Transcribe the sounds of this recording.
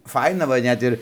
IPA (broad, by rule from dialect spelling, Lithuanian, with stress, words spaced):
ˈfɐɪnɐ ʋɐ ˈnʲɛt ɪr